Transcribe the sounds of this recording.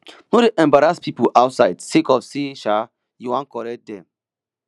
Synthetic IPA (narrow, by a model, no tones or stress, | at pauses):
nodeʔɛ̃mbaɾaspipuʔawtsaɪdsekɔfseʃa | juwãnkɔɾɛk̚dɛ̃m